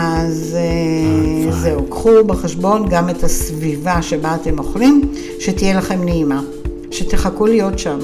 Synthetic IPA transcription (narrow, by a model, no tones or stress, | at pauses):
aze | zeokχubeχeʃbo̞nɡame̞thasvivaʃe̞baːte̞mo̞χlim | ʃe̞tije̞laχe̞mneima | ʃeteχakulijo̞tʃam